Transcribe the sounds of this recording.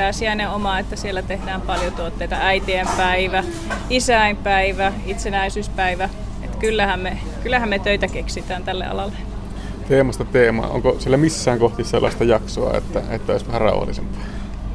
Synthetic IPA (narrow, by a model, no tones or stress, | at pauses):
æːsiæneomɑet̪ːæsielːæt̪ehdæːmpɑljot̪uot̪ːeit̪ɑæit̪iempæiʋæ | isæˑimpæiʋæit̪senæisyːspæiʋæḛt̪kylːæhæmme | kylːæhæmmet̪øit̪ækeksit̪æːnt̪ælːḛɑ̰lɑlːe | t̪eːmɑst̪ɑt̪eːmɑ̰ːʔo̰ŋkosielːæmisːæːŋkoht̪isselːɑ̰st̪ɑjɑksoɑ̰ḛt̪ːæet̪ːæoˑisʋæhærɑ̰ṵhɑ̰lːisḛmpˑɑ̥ː